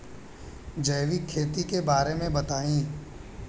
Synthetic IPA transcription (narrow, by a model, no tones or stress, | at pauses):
d͡ʒɐːʋikʰeːt̪ikebaːɾemẽbɐt̪aːĩː